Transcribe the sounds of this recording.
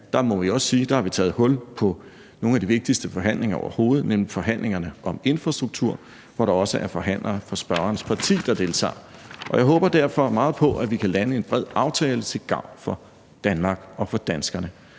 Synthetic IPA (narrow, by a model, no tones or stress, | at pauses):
d̥ɑ̈mɒ̽ʋiɒ̽ssiːd̥ɑ̈hɑ̈ʋit͡sʰɛːð̩ˠɦɔ̽lpʰɒ̽ | no̝ːnæd̥iʋe̝ɡ̥̚d̥isd̥əfɒ̽ɦæn̰le̝ŋɐɒ̰ʊɐ̰ho̝ːð̞̩ˠnemlifɒ̽ɦæn̰lʔe̝ŋɐnəʔɒ̽me̝nfʁɑ̈sd̥ʁuɡ̥̚t͡sʰuɐ̰ | ʋɒɾ̥ɑ̈ɒ̽səʔæɐfɒ̽ɦæn̰lɐfɒ̽sb̥ɶɐɐːnəspʰɑ̈t͡sʰḭːd̥ɑ̈d̥e̝lt͡sʰɑ̰̈ːʔɒ̽jɑ̈ɪɦɔ̽ːb̥ɐd̥æɐfɒ̽mɑ̈ːð̩ˠpʰɒ̽ʔæʋikʰælænəe̝nb̥ʁɛð̞̰ˠɑ̈ʊt͡sʰɛːlət͡sʰe̝lɡ̥ɑ̈ʊ̰nfɒ̽ | d̥ænmɑ̈ɡ̥ɒ̽fɒ̽d̥ænsɡ̥ɐnə